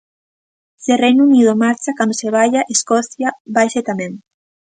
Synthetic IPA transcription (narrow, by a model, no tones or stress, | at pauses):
serejnunið̞omaɾt͡ʃakand̪oseβajaʔeskɔθjaβajset̪amẽŋ